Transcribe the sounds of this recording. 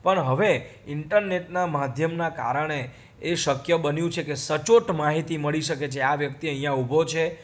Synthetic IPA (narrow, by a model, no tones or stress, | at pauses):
pəɳɦəʋeɪɳʈəɾneʈnamad̪ʱjəmnaka̰ɾəɳ̃eː | ʃəkjəbənjũt͡ʃʰekesət͡ʃoʈmaɦit̪iməɭiʃəket͡ʃʰeaʋjəkt̪iəɦĩjãubʱot͡ʃʰe